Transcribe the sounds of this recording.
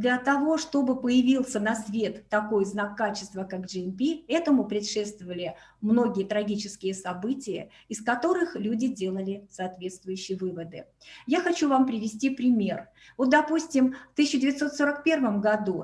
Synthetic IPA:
d̪lʲɐt̪ɐvo̞ʂt̪o̞bɨpəjɪvʲilˠsʲənɐsvʲe̞t̪ːɐko̞jznakːat͡ɕɪ̥st̪vəkakʐɨɛnpʲiɛt̪əmʊpɾʲɪt̪ʂɛt̪st̪vəvəlʲɪ | mno̞ɡʲɪjət̪ɾɐɡʲit͡ɕɪskʲɪjəsɐbɨtʲɪjə̰ | ɪskɐt̪o̞ɾɨxlʲudʲɪdʲe̞lˠəlʲɪsɐːt̪vʲe̞t̪st̪vʊjʉɕːɪjəvɨvəd̪ɨ | jaxɐt͡ɕuvampɾʲɪvʲɪsʲtʲipɾʲɪmʲe̞r | vo̞t̪̚d̪ɐpusʲtʲɪmft̪ɨs̬ʲɪɕːɪdʲɪvʲɪt̪so̞t̪so̞ɾəkpʲe̞rvəmɡɐd̪u

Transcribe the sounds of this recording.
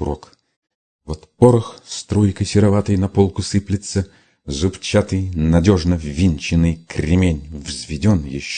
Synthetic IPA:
ɾok | vot̪poɾəxst̪ɾojkəjsʲɪɾɐvat̪ɨjnɐpolˠkʊsɨplʲɪt̪sə | zʊpt͡ɕat̪ɨjnɐdʲoʐnəvʲinʲt͡ɕɪnɨjkɾʲɪmʲenʲvzʲvʲɪdʲonjɪɕː

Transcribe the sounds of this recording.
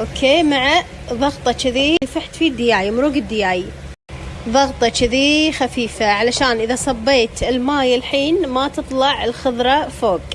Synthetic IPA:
ʔoːkʰeːmaʕa | ðˤɑɣt̪ˤɑt͡ʃɪðiːfɪħt̪fid̪ːɪjaːjmʊɾuːɡɪd̪ːɪjaːji | ðˤɑɣt̪ˤɑt͡ʃɪðiːxafiːfaʕalaʃaːnʔɪðasˤɑbːeːt̪ɪlmaːjɪlħiːnmat̪ɨt̪ˤlɑʕɪlxʊðɾˤɑfoːɡ

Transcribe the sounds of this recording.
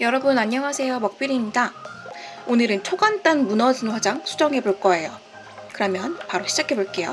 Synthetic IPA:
jʌɾʌbunaɲjʌŋɦasʰe̞jomʌk̚p͈iɾiɲida | onɯɾɯnt͡ɕʰoɡant͈anmunʌsɯnɸwad͡ʑaŋsʰud͡ʑʌŋɦe̞boɭk͈ʌe̞jo | kɯɾʌmjʌnpaɾoɕʰid͡ʑakʰe̞boɭk͈e̞jo̰

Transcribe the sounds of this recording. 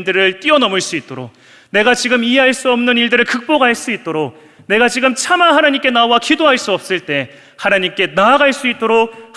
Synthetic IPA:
ndɯɾɯɭt͈iʌnʌmɯɭs͈uit̚t͈oɾo̰k̚ | ne̞ɡat͡ɕiɡɯmieɦaɭs͈uʌmnɯniɭdɯɾɯɭkɯk̚p͈oɡaɦaɭs͈uit̚t͈oɾok̚ | ne̞ɡat͡ɕiɡɯmt͡ɕʰamaɦanaɲimk͈e̞nawakidoɦaɭs͈uʌp̚s͈ɯɭt͈e̞ | hanaɲimk͈e̞naːɡaɭs͈uit̚t͈oɾok̚

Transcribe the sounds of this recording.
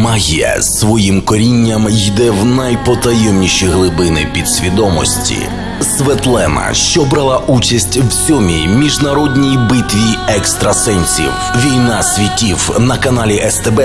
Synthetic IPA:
mɐɦʲiɛ̰sʋɔjimkɔɾʲinʲːɐmjd̪ɛwnɐjpɔt̪ɐjɛmnʲiʃiɦlˠɪbɪnɪpʲid̪sʲʋʲid̪ɔmɔ̰sʲtʲḭ | sʋɛt̪lˠɛnɐ̰ʃt͡ʃɔbɾɐlˠaʔut͡ʃɐsʲtʲwsʲɔmʲimʲiʒnɐɾɔdʲnʲijbɪt̪ʲʋʲiɛkst̪ɾɐsɛnʲsʲḭw | ʋʲijnasʲʋʲitʲiwnɐkɐnalʲiʔɛst̪ɛbɛ

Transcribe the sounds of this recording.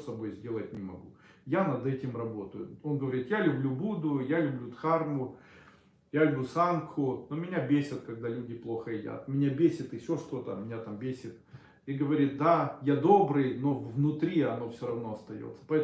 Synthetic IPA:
sɐbo̞jzʲdʲe̞lˠət̚ʲnʲɪmɐɡujanɐd̪ɛtʲɪmrɐbo̞t̪əjʊ̰onɡəvɐɾʲit̪jalʲʉblʲubud̪ʊjalʲʉblʲut̪xarmʊ | jalʲʊbʲlʲusankʰʊnomʲɪnʲabʲesʲət̪̚kɐɡ̚d̪alʲʉdʲɪplˠo̞xəɪdʲa̰t̪mʲɪnʲabʲesʲɪt̪ɨfɕʲoʂt̪o̞t̪əmʲɪnʲat̪ambʲesʲɪt̪ | iɡəvɐɾʲit̪̚d̪ajad̪o̞bɾɨjno̞vvnʊt̪ɾʲiɐno̞fsʲoɾɐvno̞ɐst̪ɐjo̰t̪sːə̥pɐɛ

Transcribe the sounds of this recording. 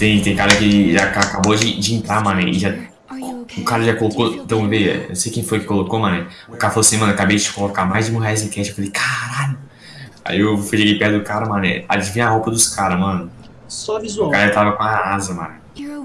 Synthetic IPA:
t̪ẽj̃t̪ẽj̃kaɾɐkɪʒakakabod͡ʒɪd͡ʒɪẽnt̪ɾamɐ̃nɛ̰ɪ̰ʒa | ʊkaɾɐʒakolokõ̰t̪ɐ̃w̃veʒɐ̰ḛsejkẽj̃fojʊkɪ̥kolokomɐ̃nɛ̃ | ʊkaɾɐfaloɐsĩmɐ̃nkabejd͡ʒɪt͡ʃɪ̥kolokamajzd͡ʒɪmoɦaes̬ɪkɛt͡ʃewfalejkʰaɾaʎʊ | a̰iewfojʒeɡejpɛh̪d̪ʊkaɾɐmɐ̃nɛ̰a̰d͡ʒivĩaɦowpɐd̪ʊskaɾɐmɐ̃nʊ | sɔvizkaɾɐʒat̪avɐkõɐazɐmɐ̰̃nɛ

